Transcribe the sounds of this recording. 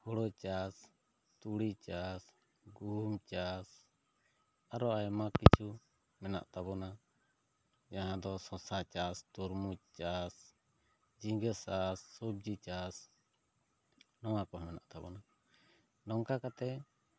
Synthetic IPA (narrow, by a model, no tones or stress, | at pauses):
hɔɽɔt͡ʃas | t̪uɽit͡ʃas | ɡumt͡ʃas | aɾɔajmakit͡ʃʰu | mɛna̰ʔt̪abɔna | d͡ʒaɦãd̪ɔsɔ̃sat͡ʃast̪uɾmut͡ʃas | d͡ʒiɡəsasːɔb̚d͡ʒit͡ʃas | nɔwakɔɦmɛna̰ʔt̪abɔna | lɔŋkakat̪ɛ